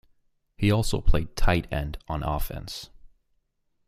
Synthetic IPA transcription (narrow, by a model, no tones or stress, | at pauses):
hiɔlˠsoʊpʰl̥eɪd̚tʰaɪɾɛ̰̃ndn̩ɔ̰fɛ̰̃ns